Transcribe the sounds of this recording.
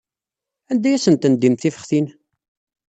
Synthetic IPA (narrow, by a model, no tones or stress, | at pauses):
ænd̪æjæsənt̪ənd̪imθifə̥χθin